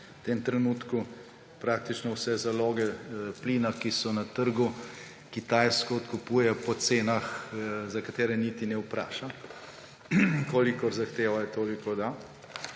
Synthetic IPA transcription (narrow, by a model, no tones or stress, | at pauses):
wt̪eːmt̪ɾɛnuːt̪ku | pɾaːk̚t̪it͡ʃnɔwsɛzaloːɡɛpliːnakisɔnɐt̪əɾɡu | kit̪ajskɔːt̪kupuːjɛpɔt̪seːnaxzɐkat̪eːɾɛnit̪inɛupɾa̰ːʃa | koːlikɔɾzaxt̪eːʋajɛt̪oːlikɔd̪a